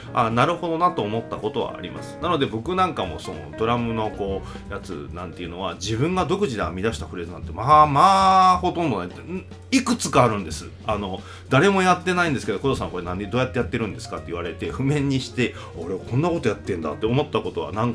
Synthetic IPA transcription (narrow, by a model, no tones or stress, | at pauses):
a̰naɾɯ̟ho̞d̪o̞nat̪o̞ːmo̞t̪ːako̞t̪o̞βa̰a̰ɾʲḭma̰sɨ̥nanod̪e̞bo̞kɯ̟nãŋkamo̞̰so̞̰no̰d̪o̞ɾamɯ̟no̞ko̞ː | jat͡sɨ̰nã̰nt̪e̞jɯ̟no̞βad͡ʑibɯ̟̃ŋɡad̪o̞kɯ̟ʑid̪eamʲid̪aɕi̥t̪aɸɯ̟ɾe̞zɨnãnt̪emamaːho̞t̪õ̞nd̪o̞nait̪ː | ikɯ̟t͡sɨ̥kaːɾɯ̟̃nd̪e̞sɨ | ano̞ | d̪̥aɾe̞mo̞jat̪ːe̞naĩnd̪sɨ̥keo̞kod̪osãko̞ɾe̞nãnːed̪oːjat̪ːe̞jat̪ːe̞ɾɯ̟̃nd̪e̞sɨ̥kat̪ːeiβaɾe̞t̪e̞ɸɯ̟mẽ̞ɲ̟ːiɕi̥t̪e̞ | oɾe̞βakõ̞nːako̞t̪o̞jat̪ːẽ̞nd̪a̰t̪ːeomo̞t̪ːako̞t̪o̞βa̰nãŋk